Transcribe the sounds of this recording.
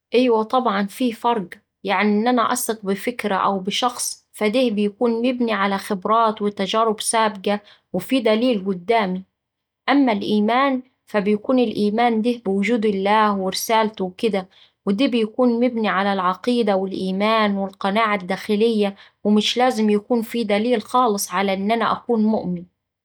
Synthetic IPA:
ʔɪjwat̪ˤɑbʕɑnfiːfɑɾˤɡ | jaʕniʔɪnːʔanaʔɑ̰sɪq̚bɪfɪkɾaʔa̰wbɪʃɑxsˤ | fad̪iːhbɪjkuːnmɪbniʕalaxɪbɾˤɑːt̪wɪt̪ad͡ʒæːɾʊbsaːbɡa | wɪfiːd̪æliːlɡʊd̪ːaːmi | ʔamːalʔiːmaːn | fabɪjkuːnɪlʔiːmaːnd̪iːhbɪwʊd͡ʒuːd̪ɪlːaːhwɪɾɪsaːlt̪wkɪd̪a | wɪd̪iːbɪjkuːnmɪbniʕalalʕɑqiːd̪awɪlʔiːmaːnwɪlqɑnaːʕad̪ːaːxɪlɪjːawɪmɪʃlaːzɪmjakuːnfid̪æliːlxɑːlɨsˤʕalaʔɪnʔana̰ʔakuːnmʊʔmɪn

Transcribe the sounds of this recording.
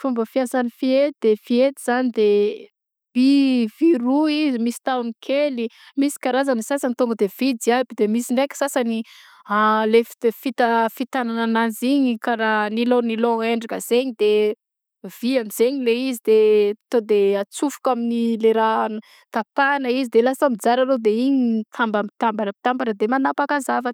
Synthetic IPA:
fumbəfiansanifiet̪d̪̥efiet̪iz̥anid̪e | b̥iviɾuizimisi̥t̪aunikʰeli | misi̥kaɾazansasanit̪uŋɡəd̪ev̥id͡ziabid̪emisiɳɖ͡ʐekʲə̥sasani | alefi̥d̪efit̪əfit̪anananaziɲikaɾaniloniloeɳɖ͡ʐakəz̥eɲid̪e | v̥iamiz̥eɲileizid̪et̪od̪eat͡sufu̥kaminileɾan | t̪apanəizid̪elasamid͡zaɾalod̪eiɲit̪ʰambampi̥t̪ambanəpit̪ambanəd̪emanapakazava

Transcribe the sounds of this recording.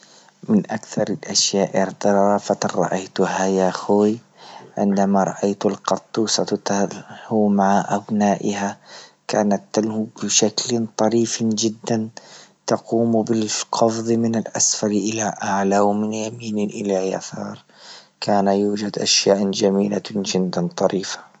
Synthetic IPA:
mɪnʔakθɑɾˤɪlʔaʃjaːʔɪɾt̪ɑɾˤɑːfat̪anɾˤɑ̰ʔajt̪ʊhajaxoːj | ʕɪ̰nd̪amaɾˤɑ̰ʔajt̪ʊlqɑt̪ˤːuːsˤɑt̪ahumaʕaʔabnaːʔɪhakaːnat̪ːalhubɪʃaklt̪ˤɑɾiːfd͡ʒɪd̪ːant̪ɑquːmbɪlqʰɑfðˤɨmɪnɪlʔasfɑɾʔɪlaʔaʕlawmɪnjamiːnʔɪlaja̰θɑ̰ːɾˤ | kʰaːnajuːd͡ʒad̪ʔaʃjaːʔd͡ʒamiːlad͡ʒɪd̪ːant̪ˤɑɾiːfḁ

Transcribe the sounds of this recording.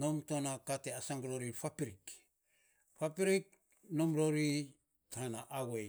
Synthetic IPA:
nomtonakateasaŋɡɾoɾifapiɾik | fapiɾik̚ | nomɾoɾi | taanaʔaɡe

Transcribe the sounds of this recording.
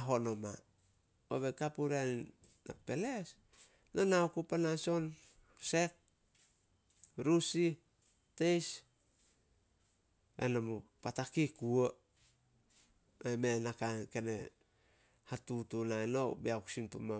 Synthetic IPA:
ɦo̞noma | o̰βekapuɾa | na̰pe̞les | nonaukupanaso̞n | se̞k̚ | ɾusi | tejs | ḛnamupatakikuo | emenakankene | hatutunaenobeaksintoma

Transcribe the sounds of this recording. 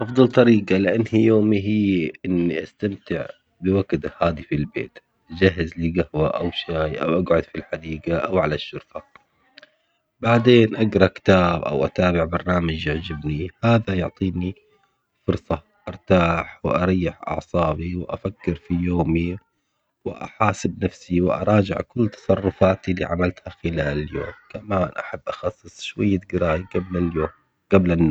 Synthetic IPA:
ʔɑfd̪ˤɑlt̪ˤɑɾiːɡalɪʔanːhijoːmiɦiːʔɪnːiʔast̪amt̪ɪʕ | bɪwaɡd̪ahaːd̪ifilbḛːt̪ | ʔd͡ʒaɦːɪzliɡahwaʔawʃaːjʔa̰wʔaɡʕʊd̪filħad̪iːɡaʔawʕalaʃːʊɾfa | baʕd̪eːnʔaɡɾˤɑkɪ̥t̪aːbʔa̰wʔa̰t̪aːbɪʕbɑɾˤnaːmad͡ʒɪʕd͡ʒɪbnihaːðajʊʕt̪ˤiːni | fʊɾsˤɑ | ʔɑɾˤt̪aːħwɪʔɑ̰ɾˤiːɪħʔɑ̰ʕsˤɑːbiwɪʔa̰fakːɪɾfijoːmi | wɪ̰ʔa̰ħaːsɪbnafsiwɪʔɑ̰ɾˤɑːd͡ʒɪ̰ʕkʊlːt̪ɑ̥sˤɑrˤːʊfaːt̪ilḭːʕa̰malt̪haxɪlaːlljo̰ːmkamaːnʔaħabːʔɑxɑsˤːɨsˤʃwajːaɡɾaːjabloː | ɡ̥ablɪnː

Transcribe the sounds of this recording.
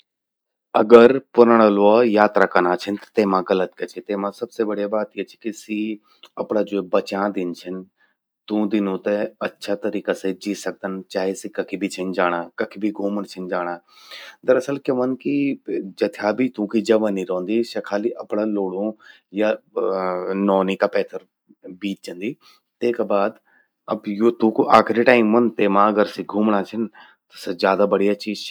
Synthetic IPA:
ɐɡəɾpʊɾəɽ̃əloajaːt̪ɾaːkɐnaːt͡ʃʰɪnt̪ɐ̥t̪eːmãɡɐlət̪̚kɐt͡ʃʰet̪eːmãsɐbsebɐɽijabaːt̪ijet͡ʃʰkisiː | ɐpɽ̃aːd͡ʒoebɐt͡ʃãːd̪ɪnt͡ʃʰɪn | t̪ũd̪ɪnõːt̪eɐtːʃʰat̪ɐɾiːkased͡ʒiːsɐk̚d̪ənt͡ʃaːɦisikɐkʰibʱit͡ʃʰɪnd͡ʒaːɽ̃aːkɐkʰibʱiɡʱoːməɽt͡ʃʰɪnd͡ʒaːɽ̃aː | d̪əɾəsəlkeʋənkid͡ʒət̪ʰjaːbʱiːt̪ũːkiːd͡ʒəʋãnĩːɾɔ̃ːnd̪iːʃɐkʰaːliːʔəpɳãːloːɽõː | jaː | nɔːniːkaːpɛːt̪ʰəɾ | biːt͡ʃ̪̚t͡ʃə̃nd̪iː | t̪eːkaːbaːd̪ | əbjoːt̪ũːkoʔaːkʰɾiːʈaːɪmːənt̪eːmãːəɡəɾsiːɡʱuːmɽaːt͡ʃʰən | t̪ɐsezjaːd̪aːbəɽijat͡ʃiːz

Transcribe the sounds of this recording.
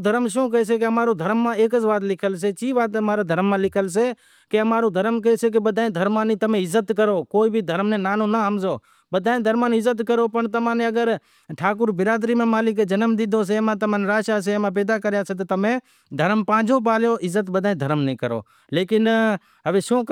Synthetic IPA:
d̪ʱəɾmʃõːk̬əeːs̬eːk̬eəmaːɾoːd̪ʱəɾmːãːeːkəzʋaːt̪lɪkʰəls̬eːt͡ʃiːʋaːt̪əmaːɾaːd̪ʱəɾmːãːlɪkʰəls̬eː | keəmaːɾõːd̪ʱəɾəmkəeːseːk̬ebəd̪ʱaːẽːd̪ʱəɾmãːnĩːt̪əmẽːɪzːət̪kəɾoːkoːiːbʱid̪ʱəɾmnẽːnaːnõːnaɦəmzoː | bəd̪ʱaːẽd̪ʱəɾmaːnɪzːət̪kəɾoːpəɳt̪əmãːnẽːəɡəɾ | ʈʰaːkʊɾbɪɾaːd̪ɾiːmẽːmaːlɪk̬eːd͡ʒənəmd̪ɪd̪ʱoːs̬eːmãːt̪əmãːnːɾaːʃaːs̬eːmãːp̬eːd̪aːkəɾjaːseːt̪ot̪əmẽː | d̪ʱəɾəmpãːd͡ʒʱoːp̬aːljoːʔɪzːət̪bəd̪ʱaːĩd̪ʱəɾmnəĩːkəɾo̰ː | leːkɪn | ɦəʋeːʃõː

